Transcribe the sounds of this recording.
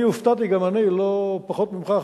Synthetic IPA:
iuft̪at̪iɡamanilopaχot̪̚mimχa

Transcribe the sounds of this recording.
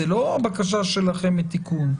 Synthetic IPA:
eloabakaʃ̬aʃelaχemet̪ikun

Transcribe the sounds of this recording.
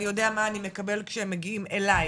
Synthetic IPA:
nijo̞deamaːnime̞kɐbe̞lkʃehemːeɡiimelaj

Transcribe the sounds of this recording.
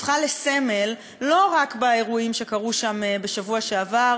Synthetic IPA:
χalese̞me̞lː | o̞ʁakbaeʁuimʃe̞kaʁuʃambe̞ʃavuaʃeavaʁ

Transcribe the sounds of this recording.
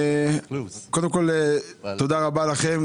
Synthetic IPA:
kod̪emko̞leod̪aʁabalaχem

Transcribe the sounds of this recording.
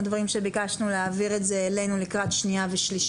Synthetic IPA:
dvaʁimʃe̞bikaʃnuleaviʁetzeːle̞jnulikʁat̪ʃniaveʃliʃ

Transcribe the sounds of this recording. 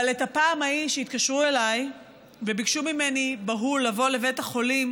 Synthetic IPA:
aletapaːmhaiʃeit̪kaʃʁue̞laj | vebikʃumime̞nibaɦulavo̞le̞vetaχo̞lim

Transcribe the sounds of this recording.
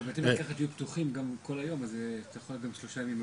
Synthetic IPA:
beet̪emlikaχat̪ijupt̪uχimɡamko̞lajo̞mazt̪ajexojot̚ɡamʃlo̞ʃajmim

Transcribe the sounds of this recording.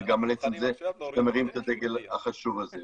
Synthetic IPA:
ɡamalet͡semzeiʃt̪ameʁimet̪ad̪eɡe̞lhaχaʃuvaze

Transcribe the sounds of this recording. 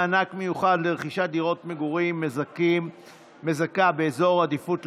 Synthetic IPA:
anakme̞juχadleʁeχiʃad̪iʁo̞tmeɡuʁim | ezakabe̞ezo̞ʁad̪ifut

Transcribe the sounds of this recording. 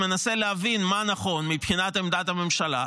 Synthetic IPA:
me̞naseleavinmanaχo̞nmipχinat̪emd̪atame̞mʃala̰

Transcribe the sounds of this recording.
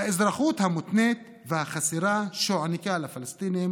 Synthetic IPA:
aʔezɾaχut̪hamut̪net̪ | vehaχasiɾaʃoʕanikalafalast̪inim

